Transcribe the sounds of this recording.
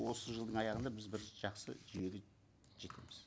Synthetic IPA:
wo̞səʒəlˠd̪əɴɑjɑʁənd̪ɑbɪzbɪɾʒ̥ɑqsə̰ʒʏje̞ɡʲe | ʒe̞t̪ʰe̞̰mɪz̥

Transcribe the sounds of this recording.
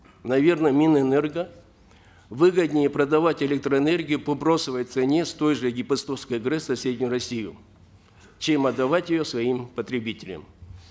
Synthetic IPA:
nɐvʲe̞rnəmʲinɛnɛrɡə | vɨɡəd̪ʲnʲɪjəpɾəd̪ɐvatʲɪlʲek̚t̪ɾəːnerɡʲɪjʊpobɾo̞sɨvəjt̪sɨnʲest̪o̞jʐɨɡʲɪpɐst̪oskəjɡɾɨsɐsʲedʲnʲʊjʊɾɐsʲijʊ̰ | t͡ɕemɐd̪ːɐvatʲjɪjosvɐimpət̪ɾʲɪbʲitʲɪlʲɪ̰m

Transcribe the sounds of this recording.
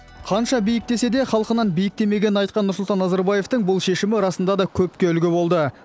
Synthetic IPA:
qʰɑnʃɑbijɪk̚t̪e̞se̞d̪e̞χɑlˠəqənɑnbijɪk̚t̪e̞me̞ɡʲe̞nɪnɑjt̪̚qɑnːʊɾsʊlˠt̪ɑnːɑzɑɾbɑje̞ft̪əŋbʊlˠʃe̞ʃɪmɪɾɑsənd̪ɑd̪ɑkʲʰɵp̚kʲe̞ʏlɡʲɪbo̞lˠd̪ə

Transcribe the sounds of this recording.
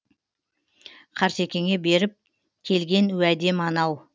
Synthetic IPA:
qʰɑɾse̞kʲe̞ŋʲe̞be̞ɾɪp̚ | kʲʰe̞lɡʲe̞nʉæd̪e̞mɑnɑw

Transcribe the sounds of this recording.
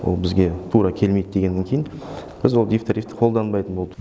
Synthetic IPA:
wo̰lˠbɪzɡʲe̞t̪ʰuɾɑkʲʰe̞lmed̪əd̪e̞ɡʲenːeŋkʲʰejɪnb̥ɪzwo̞lˠd̪ijft̪ʰaɾift̪ə̥qʰold̪ɑnbɑjt̪ənbo̞lˠd̪ə

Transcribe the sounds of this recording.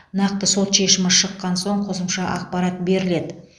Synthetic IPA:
nɑq̚t̪əso̞t̪ʃe̞ʃɪmɪʃəqːɑnso̞ɴqʰo̞səmʃɑʔɑq̚pɑɾɑt̪̚be̞ɾɪle̞d̪ɪ

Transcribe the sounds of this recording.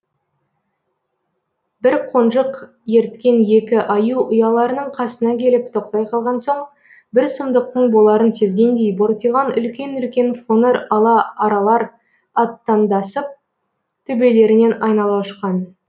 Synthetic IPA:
bɪɾqʰo̞nʒəq | je̞ɾt̪kʲe̞nje̞kʲɪʔɑjuʊjɑlˠɑɾənəɴqʰɑsənɑkʲʰe̞lɪp̚t̪ʰo̞qt̪ɑjqʰɑlˠʁɑnso̞ɴ | bɪɾsʊmd̪əq̪̚ʰːəɴbolˠɑɾənse̞zɡʲe̞nd̪e̞jboɾt̪ijʁɑnʏ̰lkʲe̞nʏlkʲe̞nfʰonəɾɑlˠɑɑɾɑlˠɑɾ | ɑt̪ːɑnd̪ɑsəp̚ | t̪ʰʏbe̞le̞ɾɪne̞nɑjnɑlˠɑʃə̥qːɑn

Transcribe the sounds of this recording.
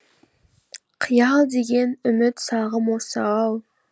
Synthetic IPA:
qʰəjɑlˠd̪e̞ɡʲe̞nʏmɪt̪sɑʁəmosɑɑlˠ

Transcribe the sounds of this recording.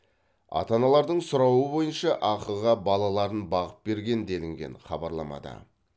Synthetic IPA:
ɑ̰t̪ɑnɑlˠɑɾd̪əɴsʊɾɑwəbo̞jənʃɑʔɑqəlˠʁɑbɑlˠɑlˠɑɾənbɑʁəp̚be̞ɾɡʲe̞nd̪e̞lɪŋɡʲe̞̰nχɑbɑɾlˠɑmɑ̰d̪ɑ̰

